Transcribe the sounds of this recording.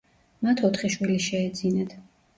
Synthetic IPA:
mat̪ʰɔt̪χiʃwiliʃɛːd̪zinɛt̪ʰ

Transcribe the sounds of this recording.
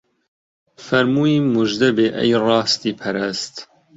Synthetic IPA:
fɐɾmuːiːmuʒd̪ɐbeːʔɛ̰jrɑːst̪iːpʰɐɾɐst̪

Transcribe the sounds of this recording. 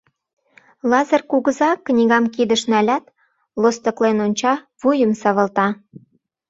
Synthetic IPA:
lɑzərkuɣə̆zɑknʲiɣɑmkid̪əʃnælʲæt̪ | lost̪ə̆klenonʲt͡ɕɑ | βujəmsɑβə̆lt̪ɑ

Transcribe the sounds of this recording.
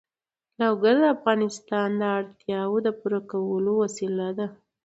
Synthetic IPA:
lawɡaɾd̪əafɣɑnɪst̪ɑnd̪əaɽt̪jɑwod̪əpuɾakawəlowasilad̪a

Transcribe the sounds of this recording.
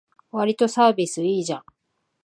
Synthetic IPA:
βaɾʲit̪o̞saːbʲisɨiːʑã

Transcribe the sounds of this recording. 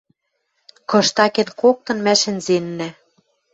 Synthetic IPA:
kɤ̆ʃt̪ɑkenkok̚t̪ɤ̆nmæʃɘ̆nzenːæ

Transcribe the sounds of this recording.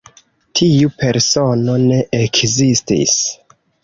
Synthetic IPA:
tʰiupe̞ɾso̞no̞ne̞ʔekʰzistḭs

